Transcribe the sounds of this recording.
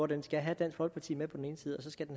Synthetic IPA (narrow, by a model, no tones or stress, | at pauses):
ɒd̥ensɡ̥æɦæd̥æn̰sfɒ̽l̥pʰɑ̈t͡sʰḭːmepʰɒ̽d̥n̩e̝ːnəsiːð̞̩ˠɒ̽s̬ɒ̽sɡ̥æd̥en